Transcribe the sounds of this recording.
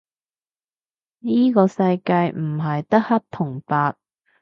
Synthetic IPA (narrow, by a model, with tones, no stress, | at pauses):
niː˥kɔː˧sɐ˧jkaː˧jm̩˨˩ɦɐ˨jt̪ɐ˥k̚hɐ˥t̚t̪ʰʊ˨˩ŋpaː˧t̚